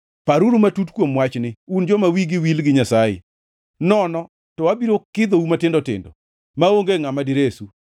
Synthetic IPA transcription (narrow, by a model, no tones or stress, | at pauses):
paɾuɾumatutkwomwat͡ʃnɪund͡ʒɔmawiɡɪwilɡɪɲasajɪ̰ | nɔnɔ | tɔwabiɾokɪd̪oumatɪndɔtɪ̰ndɔ̰ | maoŋɡeŋamadiɾesu